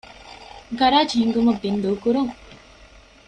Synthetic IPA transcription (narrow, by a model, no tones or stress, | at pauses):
ɡɐɾaːt͡ʃiːŋɡumɐbːind̪oːkuɾuŋ